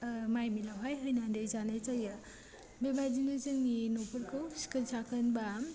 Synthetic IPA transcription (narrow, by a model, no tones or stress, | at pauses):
majmilawɦajɦəjnandɯjzanajt͡ʃaja | bebad͡ʒinɯzɯŋinopʰuɾkawskəɾsʰakʰənbam